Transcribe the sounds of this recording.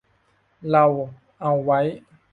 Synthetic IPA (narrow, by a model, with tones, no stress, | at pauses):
la˨wo˨ | ã˨wa˨˦j